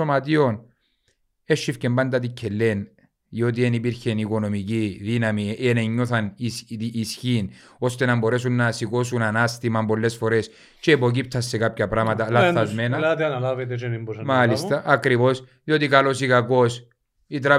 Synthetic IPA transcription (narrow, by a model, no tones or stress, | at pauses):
omɐt̪io̞n | eʃːifcembɐnd̪ɐt̪icʰːelːen | ðiot̪̬ienipiɾçe̞niko̞no̞miciðinɐmiʔeneɲːoθɐnit̪iːsçin | o̞st̪e̞nɐmbo̞ɾe̞sunːɐsikosunanast̪imɐmbo̞lːe̞sfo̞ɾe̞s | t͡ʃeːpo̞c̬ip̚t̪ʰɐsːe̞kapçɐpɾamɐt̪ɐlaθθɐzmenɐt̪iɐnɐlavet̪̬et͡ʃenimbosmalist̪ɐːkɾivo̞sðiot̪ikɐlo̞sikako̞s | it̪̬ɾa